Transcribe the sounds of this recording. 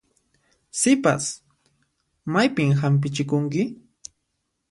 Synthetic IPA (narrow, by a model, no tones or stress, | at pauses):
sɪpa̰s | majpɪmhamp̬ɪt͡ʃɪkʊŋkɪ